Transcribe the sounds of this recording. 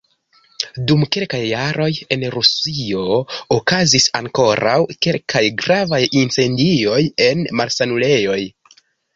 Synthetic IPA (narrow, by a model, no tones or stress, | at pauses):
dumke̞lkajːaɾo̞je̞nɾusio̞okazisaŋko̞ɾawke̞lkʰajɡɾavajint͡se̞ndio̞je̞nmalsanule̞jo̞j